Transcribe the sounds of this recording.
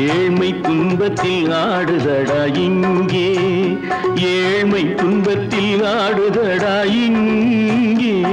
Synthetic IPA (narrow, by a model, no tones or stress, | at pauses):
eːɻmɐɪt̪ːʊnbɐt̪ːɪlnaːɽɯðɐɽaːjɪŋɡeː | eːɻmɐɪt̪ʊnbɐt̪ːɪlnaːɽɯðɐɽaːjɪŋ | ɡeː